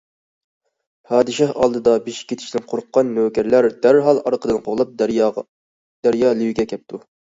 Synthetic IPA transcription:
pʰɑːd̪ɨʃɑhɑ̰lˠd̪ɨd̪ɑbeʃi̥kʲʰːet̪ʰɪ̥ʃt̪ɪnqʰoɾʊqːɑnːøːkʲɛɾlæɾd̪æɾɦɑlˠɑɾqʰəd̪ɨnqʰoʁlˠɑp̚ | d̪̥æɾjɑːlˠiwiɡʲɛkʲʰɛp̚t̪ʰu

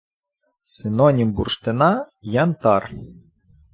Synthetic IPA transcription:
sɪnɔnʲimbṵrʃt̪ɪnɑjɑnt̪ɑr

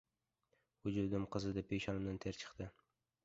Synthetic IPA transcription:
ʊd͡ʒɪɾd̪ɪmqʰɨzɨd̪apʰːejʃɒnɪmd̪ant̪ʰeɾt͡ʃʰɨ̥qt̪ɪ

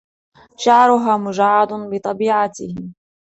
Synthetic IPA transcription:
ʃaʕɾʊɦaːmʊd͡ʒaʕːɑd̪bɨt̪ˤɑbiːʕat̪ɪhɪ

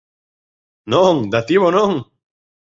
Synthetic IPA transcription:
noŋd̪at̪iβonõŋ

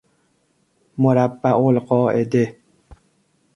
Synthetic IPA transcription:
moɾabːaʔolqɔːḛde

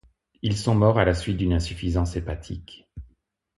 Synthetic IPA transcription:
ilsɔ̃mɔʁalasɥit̪̚d̪ynɛ̃syfizɑ̃sepat̪ʰik

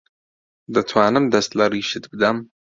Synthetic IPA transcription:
d̪ɨt̪ʰwaːnɨmd̪ɐst̪lɐriʃɨt̪bɨd̪am

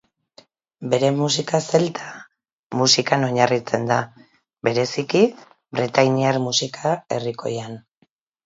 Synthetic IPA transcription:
be̞ɾe̞mus̬ikase̞lt̪ʰa | musikano̞ɲarit͡se̞nd̪a | be̞ɾe̞siki | bɾet̪ajniaɾmusikʰae̞̰riko̞̰jan

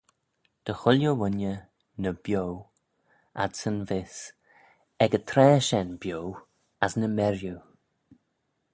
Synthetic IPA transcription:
d̪̥əxʊljowʊnjə | nəbjow | a̰dsənvɪs | ɛɡət̪ʰɾɛːʃɛnbjow | asnəmɛɾju

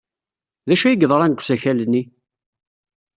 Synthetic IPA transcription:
ðæʃæjəɡðˤɾˤænɡʷsæçælnːi

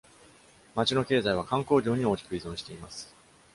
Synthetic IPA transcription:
mat͡ɕino̞ke̞ːzaiβ̞akãŋko̞ːʑo̞ːɲ̟io̞ːkʲi̥kɯ̟izõ̞ɰ̃ɕi̥t̪e̞imasɨ̥

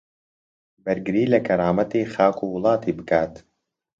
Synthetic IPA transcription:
bɐɾɡɨɾiːlɐkʰɐɾaːmɐt̪iːxaːkʰuːwʊlˠɑːt̪iːbɨkʰaːt̪

